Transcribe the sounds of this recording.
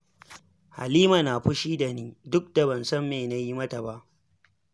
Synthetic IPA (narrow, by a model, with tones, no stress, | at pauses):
ha̰˨liː˦ma˨naː˨ɸʊ˦ʃiː˦da˨niː˦dʊ˦k̚da˨bɐ˨nsɐ˦mːeː˨na˦ji˦mɐ˦ta˨ba˦ʔ